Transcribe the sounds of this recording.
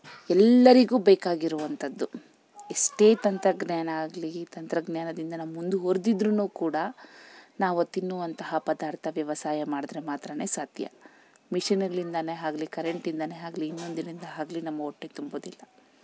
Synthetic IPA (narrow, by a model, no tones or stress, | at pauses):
ɛlːɐɾiɡuːbeːkaːɡiɾuʋɐnt̪ʰɐd̪ːu | esʈe̞ːt̪ɐnt̪ɾɐɡnaːnɐaːɡlit̪ɐnt̪ɾɐɡnjaːnɐd̪ind̪ɐnɐmmund̪uɦoːɾd̪id̪ɾunuːkuːɽɐ | naːʋuɐt̪ːinːuʋɐnt̪ɐɦɐpɐd̪aːɾt̪ʰɐʋjɐʋɐsaːjɐmaːɽd̪ɾemaːt̪ɾɐne̞ːsat̪jɐ̰ | miʂinɡɐɭind̪ɐneɦaːɡɐlikɐɾe̞ɳʈind̪ɐneɦaːɡliːnːo̞nd̪inind̪ɐɦaːɡɐlinɐmːɐoʈːet̪umboːd̪ilːɐ